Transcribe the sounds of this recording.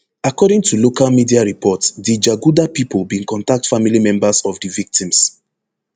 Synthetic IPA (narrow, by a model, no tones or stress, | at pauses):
akɔɾĩŋtʰulokalmidiaɹipʰɔtdid͡ʒaɡudapipʰolˠbĩnkɔ̃ntak̚tfamilimɛ̃mbasɔvdivik̚tĩms